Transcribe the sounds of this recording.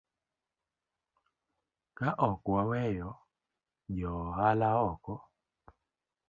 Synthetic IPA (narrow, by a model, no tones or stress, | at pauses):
kaʔɔkwawɛjɔ | d͡ʒɔhalaɔkɔ